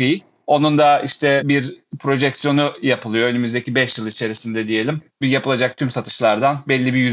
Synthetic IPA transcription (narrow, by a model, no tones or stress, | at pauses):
ij | o̞nund̪aiʃt̪ʰɛbiɾpʰɾo̞ʒɛcsijo̞nujapɯlˠɯjo̞ønymyzd̪e̞cibɛʃjɯlˠit͡ʃʰe̞ɾisind̪ɛd̪ije̞lʲimbijapɯlˠad͡ʒak̚t̪ʰymsat̪ʰɯ̥ʃlˠaɾd̪anbɛlʲːibijy